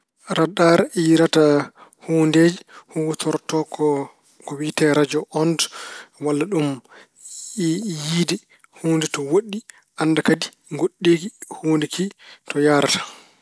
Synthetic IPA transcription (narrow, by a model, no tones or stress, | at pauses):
ɾadaɾiɾatahuːndeːd͡ʒɛhutʰɔɾtɔkɔ | kɔwitɛɾad͡ʒɔʔɔndwalːaɗum | jidi | huːndɛtɔwoɗːi | ʔandakadi | ŋɡoɗːiːkihuːndikʰitɔjaːɾatḁ